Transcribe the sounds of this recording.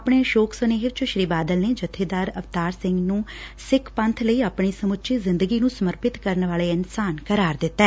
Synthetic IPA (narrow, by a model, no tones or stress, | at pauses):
əpɳeːʃoːksəneːɦɪt͡ʃəʃɾiːbaːd̪əlneːd͡ʒət̪ʰːeːd̪aːɾəʋt̪aːɾsɪ̃ŋɡnũːsɪkʰpə̃nt̪ʰləiːaːpɳiːsəmʊtːt͡ʃezɪ̃nd̪əɡiːnũːsəməɾpɪt̪kəɾnʋaːleːɪnsaːnkəɾaːɾd̪ɪt̪ːɛː